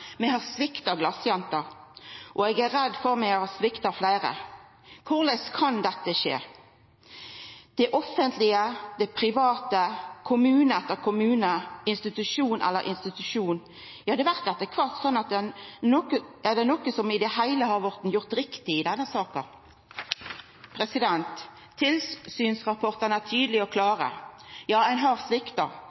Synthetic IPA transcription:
mɛhɑɾsʋɪkt̪ɑɡlɑsjɛnt̪əɾʔɔɛɡæɾɛd̪ːfɔɾmɛɡɛhɑsʋɪkt̪ɑflæɪɾə̰ | kʰʊʁlɛskʰɑnd̪ɛt̪ːəʃḛː | d̪̥ɛʔɔfːənt̪ʰlɪəd̪ɛpʰɾɪʋɑːt̪əkʰʊmʉːnəɛt̪ːəʁkʰʊmʉːnəɪnst̪ɪt̪ʉʂuːnʔɛ̰lːə̰ɾʔɪ̰nst̪ɪt̪ʉʂuːn | jɑːd̪ɛʋæʁt̪̚ːɛt̪ːəkʰʋɑlt̪sɔnːɑt̪̚d̪ɛnkəæd̪ɛnɔkəsɔmɪd̪ɛɦæɪləhɑɾʋɔʁt̪n̩jʊʁt̪ɾɪkt̪ɪɪd̪ɛnːəsɑːkə | pʰɾɛsɪd̪ɛnt̪ʰː | ɪlsyːnsʁɑpʰɔʁt̪ənæt̪ʰyːd̪əlɪɔkʰlɑːɾə̰jɑːæɪnɦɑʁsʋɪkt̪ɑ̰

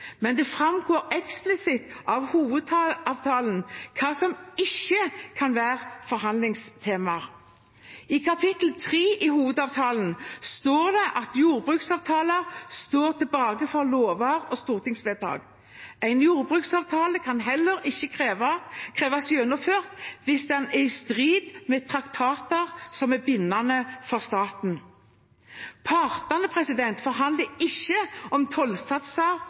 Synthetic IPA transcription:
mɛnd̪ɛfɾɑmɡoːʁɛksplɪsɪt̪ɑʋhuːʋəd̪ɑːʋt̪ʰɑːlənkʰɑːsɔmɪçːəkʰɑnʋæːʁfɔɾhɑnd̪lɪŋst̪ʰeːmɑʁ | ɪkʰɑpʰɪt̪l̩t̪ʰʁiːʔɪhuːʋəd̪ɑːʋt̪ʰɑːlən̩st̪oːʁd̪ɛʔɑt̪juːʁbʁʉːksɑːʋt̪ʰɑːləʁst̪oːʁt̪ʰɛlbɑːɡəfɔʁloːʋɑʁɔst̪uːʁt̪ʰɪŋsʋed̪ɑ̰ːɡ | æɪnjuːʁbʁʉːksɑːʋt̪ʰɑːləkʰɑnɦɛlːəɾɪçːəkʰʁeːʋɑkʰʁeːʋɑsjønʊføːʁt̪ʋɪsd̪ɛnæst̪ʁiːd̪mɛt̪ʰʁɑkt̪ʰɑːt̪əʁsɔmæbɪnːɑnəfɔʁst̪ɑːt̪n̩ | pʰɑʁt̪ɑnəpʰʁɛsɪd̪ɛnt̪fɔʁɦɑnd̪ləɪçːəɔmt̪ʰɔlsɑt̪sɑʁ

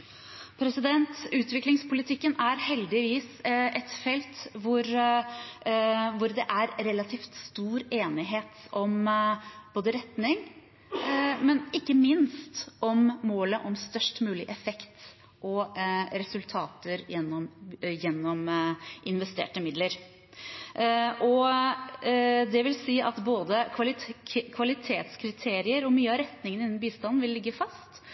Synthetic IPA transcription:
pʰɾɛsɪd̪ɛnt̪ʉːt̪ʋɪklɪŋspʊlɪt̪ʰɪkːənæɾhɛld̪ɪʋiːsʔɛt̪fɛlt̪ʋʊɾ | ʋʊɾd̪ɛʔæɾɾɛlɑt̪ʰiːft̪st̪uːɾeːnɪɦeːt̪ɔm | b̥oːd̪əɾɛt̪nɪŋ | mɛnɪkːəmɪnst̪ʔɔmːoːləʔɔmst̪œʂʈmʉːlɪʔɛfɛkt̪ | ʔɔɾɛsʉlt̪ʰɑːt̪əɾjɛnːɔmjɛnːɔmʔɪnʋɛst̪ḛːʈəmɪd̪ləɾ | ʔɔ | d̪ɛʋɪlsiːʔɑt̪boːd̪əkʰɑlɪkʰʋɑlɪt̪ʰeːt̪skʰɾɪt̪ʰeːɾɪəɾɔmyːəɑɾɛt̪nɪŋənɪnːn̩biːst̪ɑnn̩ʋɪlːɪɡːəfɑst̪

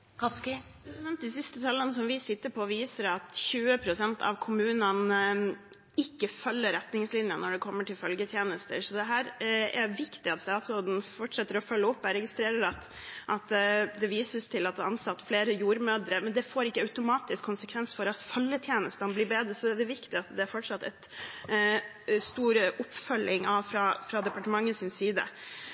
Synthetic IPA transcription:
kʰɑk | d̪ɛnɛmt̪̚d̪ɪsɪst̪ət̪ʰɑlənəsɔmʋɪsɪt̪ːəpʰɔʋiːsəɾɑt̪çʉːəpʰɾʊsɛnt̪ʰɑ̰ʋkʰʊmʉːnən | ɪkːəfœlːəɾɛt̪nɪŋslɪnjənːɔɖɛkʰɔmːəʈʰɪlfœlɡət̪ʰjeːnəst̪əʂɔd̪ɛɦæːɾɛɾʋɪkt̪ɪɑt̪ɛɑlt̪sɔd̪ɛnfɔʈʂɛt̪ːəɾɔfœlːəʊpːɛɾɛɡɪst̪ɾeːɾəɾɑt̪ | ʔɑt̪d̪ɛʋiːsəst̪ʰɪlɑt̪̚d̪ɛɑnsɑt̪ːfleːɾəjuːɾmøːd̪ɾəmɛnd̪ɛfoːɾɪkːəɑʉt̪ʊmɑːt̪ɪskʰːʊnsəkʰʋɛnsfɔɾɑt̪fœlːət̪ʰjeːnəst̪ɑnɔbliːɾbeːd̪ɾəsɔɛd̪ɛʋɪkt̪ɪɑt̪d̪ɛæɾfɔʈʂɑt̪ːɛt̪ | st̪uːɾəʔʊpːfœlɪŋɑʋfɾɑfɾɑd̪ɛpɑʈəmɑŋːəsɪnsiːd̪ə̰

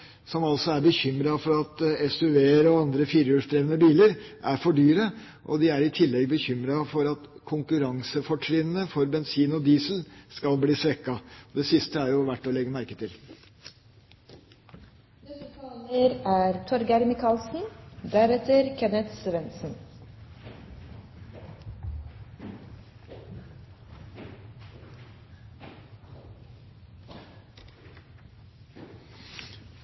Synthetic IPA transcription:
sɔmɑlsɔæɾbəçʏmɾɑfɔɾɑt̪ɛsʉʋeːɾɔɑnd̪ɾəfiːɾʉːʂd̪ɾeːʋənəbiːləɾʔæɾfɔɖyːɾə | ʔɔ̰d̪ɪæɾɪt̪ʰɪlːɛɡ̚bəçʏmɾɑfɔɾɑt̪kʰʊŋkʉɾɑŋsəfɔʈʰɾɪnənəfɔɾbɛnsiːnɔd̪iːslskɑlbliːsʋɛkːɑd̪ɛsɪst̪əæɾjʊʋæʈːɔlɛɡːəmæɾkət̪ʰɪl | d̪ɛst̪ʰɑləɾæːɾt̪ʰɔɾɡæɾmɪkʰɑlsn̩d̪æɾɛt̪əɾkʰɛnət̪sʋɛnsn̩

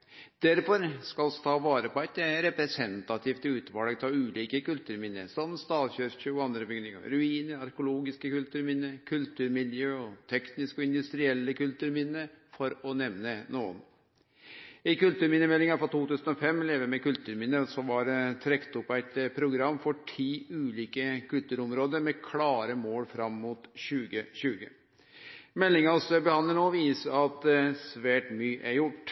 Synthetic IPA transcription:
d̪̥æɾfɔɾskɑlɔsɔ̥t̪ʰɑːʋɑːɾəpʰɔæɪt̪ɾɛpɾɛsɛnt̪ɑt̪ʰift̪ʉːt̪ʋɑːlɑɡt̪ʰɑʉːliːkəkʉlt̪ʉːɾmɪnːə̰sɑmst̪ɑːlçøɾçøːɔɑnd̪ɾəbʏɡnɪŋɑ̰ɾʉiːnəɑɾkʊloːɡɪskəkʉlt̪ʉːɾmɪnːəkʰʉlt̪ʉːɾmɪljøːɔt̪ʰɛknɪskɔɪnd̪ʉst̪ɾɪɛlːəkʉlt̪ʉːɾmɪnːəfɔɾɔnɛʋnənuːən | ɪkʉlt̪ʉːɾmɪnːəmɛlːɪŋɑfɾɑt̪uːt̪ʉːsənɔfɛmːleːʋəmɛkʉlt̪ʉːɾmɪnːəsɔʋɑɾt̪ʰɾɛkt̪ɔpːæɪt̪pʰɾʊɡɾɑmːfɔʈʰiːʉːliːkəkʰʉlt̪ʉːɾɔmɾoːd̪əɾmɛkʰlɑːɾəmoːlfɾɑmːʊt̪ɕʉːɡəɕʉːɡə | mɛlːɪŋɑsɔbəhɑnːəɳoːʋiːsəɑt̪̚dsʋæːʈmyːʔæjʊʈː

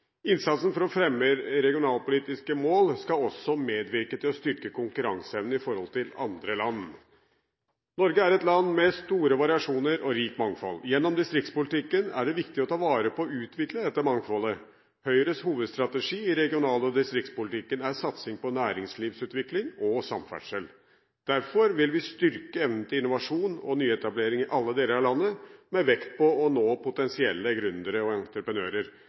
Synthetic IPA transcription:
ɪnsɑt̪sn̩fɔɾɔfɾɛmːəɾɛɡɪʊnɑːlpʊliːt̪ɪskəmoːlskɑɔsɔmeːd̪ʋɪɾkət̪ʰɪlɔst̪ʏɾkəkʊŋkʉɾɑŋsəɛʋnəɪfɔɾhɔlt̪ʰɪlɑ̰nd̪ɾəlɑnː | nɔɾɡəæɾɛt̪lɑnːmɛst̪uːɾəʋɑɾɪɑʂuːnəɾɔɾiːkmɑŋfɔ̰ljɛnːɔmd̪ɪst̪ɾɪkt̪spʊlɪt̪ɪkːənæ̰ɖɛʋɪkt̪ɪɔt̪ʰɑːʋɑːɾəpʰɔːʉːt̪ʰʋɪkləd̪ɛt̪ːəmɑŋfɔlə | hœʏɾəshuːʋəd̪st̪ɾɑt̪əʂiːɪɾɛɡɪʊnɑːləɔd̪ɪst̪ɾɪkt̪spʊlɪt̪ʰɪkːənæɾsɑt̪sɪŋpɔnæːɾɪŋsliːʋsʉːt̪ʋɪklɪŋɔsɑ̰mfæ̰ʂəl | d̪̥æɾfɔɾʋɪlʋɪst̪ʏɾkəɛʋnən̩t̪ʰəɪnʊʋɑʂuːnɔ̰nyːɛt̪ɑbleːɾɪŋɪʔɑlːəd̪eːləɾɑʋlɑnːəmɛʋɛkt̪pɔɔnoːpʊt̪ɛnsɪɛlːəɡɾʉnd̪əɾəɔɛnt̪ɾəpɾənø̰ːɾəɾ

